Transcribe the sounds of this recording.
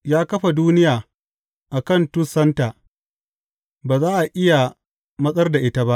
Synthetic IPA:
jaː˦kɐ˦ɸa˨duː˦nɪ˦jaː˨ | ʔa˨kɐ˦˨ntʊ˦sɐ˦ntaː˨ | baː˨zaː˦ʔa˨ʔɪ˦ja˨ | mɐ˦sʼɐ˦rda˨ʔɪ˦ta˦ba˦ʔ

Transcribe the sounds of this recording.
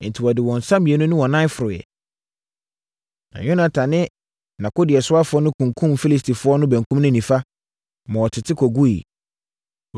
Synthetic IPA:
n̩˨tʰi˨wɔ˨dɪ˨wɔ̃˨n̩˨sã˦mĩ˨e˨˦nʊ̃˦nʊ̃˦wɔ̃˨nã˦fʊ˨ɾʊ˨jɛ̰˨ | nã̰˨ɲᶣʊ̃˦nã˨tʰã˨nɪ̃˦ | nã˨kʊ˦dɪ˨ɛ˨sʊ˦a˦fʊ˨˦ɔ˦nʊ̃˦kʰũ˨ŋkʰũ˦mfi˦li˦stʰi˨fʊ˦ɔ˦nʊ̃˦bæ̃˨ŋkʰũ˦mnʊ̃˦nĩ˨fa˦ | mã˨wɔ˨tʰɪ˨tʰɪ˦kʰɔ˨ɡu˦ḭ˨

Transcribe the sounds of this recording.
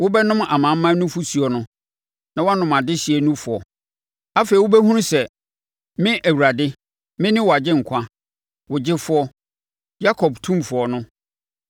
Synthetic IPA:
wʊ˦bɛ˦nʊ̃˦ma̰˨mã˨m̩ː˦ã˦nʊ̃˦fʊ˦su˨ɔ˨nʊ̃˦ | nã˨wɔ˦a˦nʊ̃˨mã˨dɪ˦ɕi˨e˨nũ˦fʊ˨ɔ̰˨ | a˦fe˨i˨wʊ˦bɛ˦ɦũ˦ɾ̃sɛ˨ | mɪ̃˦ʔæ˨wu˨ɾa˨dɪ˦ | mɪ̃˦nɪ̃˦wɔ˨a˨d͡ʑɪ˦ŋ̩˨kʷʰã˦ | wʊ˨d͡ʑɪ˦fʊ˦ɔ˦ | ja˦kʰɔ˨btʰũ˦mfʊ˨ɔ˨nʊ̃˦

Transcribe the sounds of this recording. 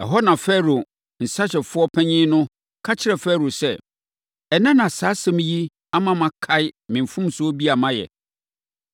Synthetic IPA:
ɛ̰˨ɦɔ˦nã˨fɛ˦ɾo˨ | n̩˨sa˦ɕɛ˨fʊ˦ɔ˦pʰɛ̃˦ɲĩː˦nʊ̃˦ | kʰa˦t͡ɕʰɪ˦ɾɛ˨fɛ˦˨ɾo˨sɛ˦˨ | ɛ˨nã˦nã˨saː˨˦sɛ̃˦m˦ji˦ | a˦mã˦mã˨kʰa˦ɪ˦mɪ̃˨m˨fũ˦msʊ˦ɔ˦bi˦a˨mã˦jɛ̰˨

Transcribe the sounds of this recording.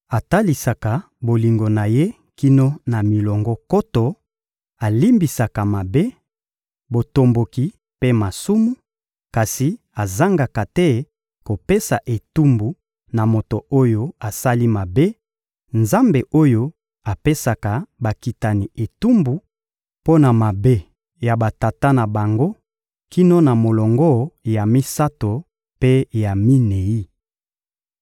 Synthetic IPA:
a˨ta˦li˨sa˨ka˨ | bo˨li˨ŋɡo˨na˨je˦ | ki˦no˦na˨mi˨lɔ˨ŋɡɔ˦ko˦to˨ | a˨li˦mbi˨sa˨ka˨ma˨be˦ | bo˨to˨mbo˨ki˨ | pe˦ma˨su˦mu˦ | ka˨si˨ | a˨za˦ŋɡa˨ka˨tɛ˦ | ko˨pe˦sa˨ʔe˨tu˦mbu˨ | na˨mo˨to˨o˦jo˦a˨sa˦li˦ma˨be˦ | nza˦mbe˨ʔo˦jo˦ | a˨pe˦sa˨ka˨ba˨ki˨ta˨ni˨ʔe˨tu˦mbu˨˦ | po˦na˨ma˨be˦ | ja˨ba˨ta˨ta˦na˨ba˨ŋɡo˦ | ki˦no˦na˨mo˨lɔ˨ŋɡɔ˦ja˨mi˦sa˦to˨ | pe˦ja˨mi˦ne˨i˦

